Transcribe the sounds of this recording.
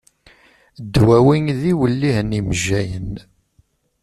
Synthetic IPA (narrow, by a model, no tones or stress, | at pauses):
d̪ːwæwiŋðiwəlːihniməʒːæjən